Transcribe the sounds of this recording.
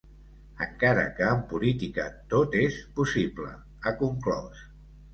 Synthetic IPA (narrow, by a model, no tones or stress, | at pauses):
əŋkaɾə̰kəːmpulit̪ikət̪ot̪espusiplə̰ | əkuŋklɔ̰s